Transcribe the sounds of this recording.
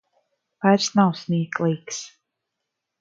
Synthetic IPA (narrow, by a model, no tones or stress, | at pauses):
vajɾsnawsnʲiɛklˠiːks